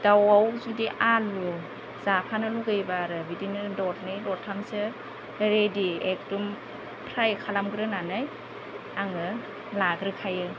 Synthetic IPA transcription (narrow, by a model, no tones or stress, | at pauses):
d̥awawzudiʔalu | zapʰanɯluɡɯjbaɾɯbidinɯdɔt̚ʰnɯjlɔtʰamsɯ | ɾediek̚tum | pʰɾajkʰalamɡɾɯnanɯj | aŋɯ | laɡɾɯkʰajɯ